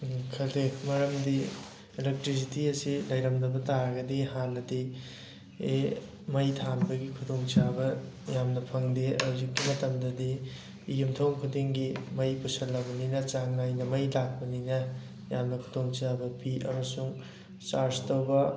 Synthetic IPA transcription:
kʰɐlekmɐɾɐmdi | elek̚tɾis̬itiɐsilɐjɾɐmdɐbɐtaɾɐɡɐdihanːɐdi | e | mɐjtʰanbɐɡikʰudoŋt͡ʃabɐ | jamnɐpʰɐŋdeɐwzikːimɐtɐmdɐdiː | jumtʰɐwmkʰudiŋɡimɐjpusɐlːɐbɐninɐt͡ʃaŋnajnɐmɐjlak̚pɐninɐ | jamnɐkʰu̥doŋt͡ʃabɐpʰiʔɐ̰mɐsuŋ | t͡ʃaɾstowbɐ

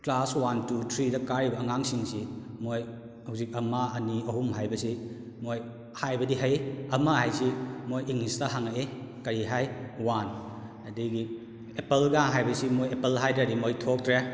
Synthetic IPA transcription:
klaswantutʰɾidɐkaɾibɐːŋaŋsiŋsimoj | hawsik̚ɐmaɐniɐɦumɦajbɐsi | moj | hajbɐdiɦɐjɐmahajsimojiŋistaɦaŋaekɐɾiɦajwan | ɐdiɡi | epɐlɡaŋɦajbɐsimojepelɦajdɾadimojtʰok̚tɾe

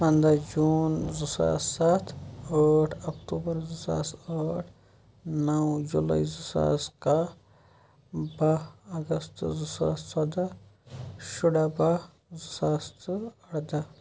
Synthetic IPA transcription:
pɐ̃nd̪ad͡ʒuːnzusa̰ːsat̪ʰaːʈʰɐkʈuːbəɾzusa̰ːsaːʈʰ | nɐwd͡ʒula̰izusa̰ːska | baɐɡəst̪zusa̰ːssɐd̪a | ʃʊɽaba | zʊsaːst̪ɐɽd̪a

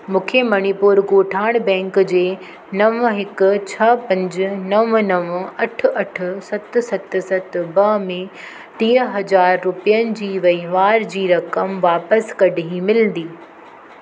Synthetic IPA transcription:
mũːkʰemɐñipuːɾɡoːʈʰaːɪɽ̃bɛ̃ːŋkd͡ʑeː | nɐʋɦɪkʊt͡ɕʰɐpɐ̃ɲd͡ʑnɐʋnɐʋɐʈʰʊ̆ɐʈʰʊ̆sɐt̪sɐt̪sɐt̪bɐmẽ | t̪iːəɦɐd͡ʑaːɾːʊpijənɪ̆d͡ʑiːʋɐiʋaːɾd͡ʑiːɾɐkəmʋaːpəskɐɖʱiɦĩmɪlə̃nd̪iː

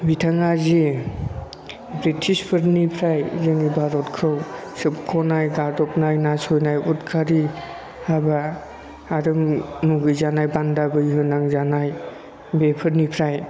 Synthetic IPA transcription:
bitʰaŋazi | bɾitʰispʰɯɾnipʰɾajzɯŋibaɾɔtkʰɾɯwsɯpkʰɔnajɡadɔp̚najnasɔjnajutkʰaɾi | aba | aɾɯmnuɡɯjzanajbandabɯjɦɯnaŋzanaj | bepʰɯɾnipʰɾaj

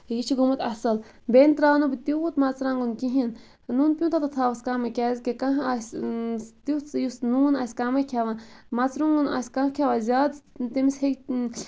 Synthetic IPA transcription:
jit͡ʃʰiɡumɐt̪ɐsɐl | bent̪ɾaːnubit̪iut̪mat͡sɾãːŋɡunkiɦin | nunpʲjũt̪at̪ɐt̪ʰaːʋɐskaːmɐkʲaːzʲkekaɦasʲ | t̪it͡sjusnuːnasʲkaːmɐkʰʲaʋanmɐt͡sɾuŋɡuna̰sʲkãkʰʲaʋaːzʲaːd̪t̪imishek

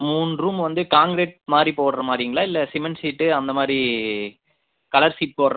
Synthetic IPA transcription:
muːnɾuːmʋɐnd̪ɯkaːŋɡɾeːʈ̚maːd̪ɾipoːɽɐɾɐmaːd̪ɾɪijŋɡɐɭaːɪlːɐsɪmɐnsiːʈːɯɐnd̪ɐmaːd̪ɾi | kɐɭɐɾsiːʈ̚poːɾɐɾ

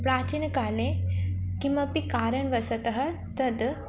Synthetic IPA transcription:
pɾaːt͡ʃinkaːlekimɐpikaːɾɐɳʋɐsɐt̪ɐɦɐ | t̪ɐd̪

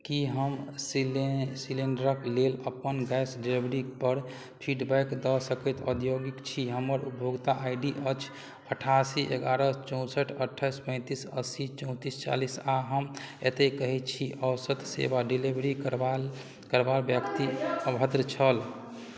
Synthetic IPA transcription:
kiɦəmssileɳɖəɾəkleləpənɡɛsɖebɾipəɾ | pʰiʈbɛjkd̪əsəkɛt̪ə̰d̪joɡikt͡ʃʰiɦəmːəɾupjoɡt̪aʔajɖiʔət͡ʃʰ | əʈʰasiʔeɡaɾət͡ʃɔ̃ʊ̃səʈʰəʈʰːajspə̃ɪ̃t̪isəsit͡ʃɔ̃ʊ̃t̪ist͡ʃa̰lisaɦəmet̪ekəɦɛt͡ʃʰiʔəwsət̪sḛbaɖilibɾikɾa | kəɾbalbjəkt̪iəbʱəd̪ɾət͡ʃʰəl

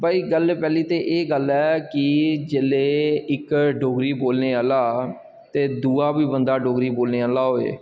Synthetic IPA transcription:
baːiːɡəlpɛːliːt̪eːʔeːɡəlɛːkɪd͡ʒeːleːɪkɖoːɡɾiːboːlneːaːlaː | t̪eːd̪uːaːbiːbənd̪aːɖoːɡɾiːboːlneːaːlaːɦoːḛː

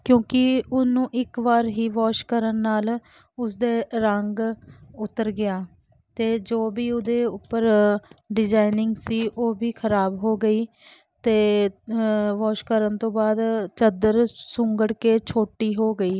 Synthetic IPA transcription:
kjõːkɪʊnũːʔɪkʋaːɾɦiːʋaːʃkəɾənːaːl | ʊs̬d̪eːɾəŋɡʊt̪ːəɾɡɪjaː | t̪eːd͡ʒoːbiːʊd̪eːʊpːəɾɖɪd͡ʒaːɪnɪŋɡsiːʔoːbiːkʰəɾaːbɦoːɡəiː | t̪eː | ʋɔːʃkəɾənt̪õːbaːd̪t͡ʃəd̪əɾsʊŋɡəɽkeːt͡ʃʰoːʈiːɦoːɡəiː

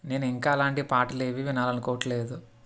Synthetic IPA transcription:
ne̞ːnuiŋkaːɐlaːɳʈipaːʈule̞ːʋiʋinaːlɐnukoːʈle̞ːd̪u

